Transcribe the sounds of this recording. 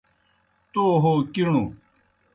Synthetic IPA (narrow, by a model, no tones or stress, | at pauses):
t̪oɦokiɽ̃u